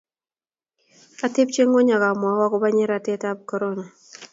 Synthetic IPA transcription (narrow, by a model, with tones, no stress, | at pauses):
a˦tɪ˦pt͡ʃe˦ŋɔ˦ɲa˨ka˨mɔ˨˦wa˦kɔ˦ba˦ɲɪ˦ɾa˨tɛ˦ta˦b̚kɔ˨ɾo˦na˨